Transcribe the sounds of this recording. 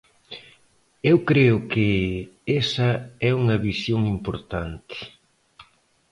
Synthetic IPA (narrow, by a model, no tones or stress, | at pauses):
ewkɾeʊkɪesɐɛuŋɐβisjoŋimpoɾt̪ant̪ɪ̥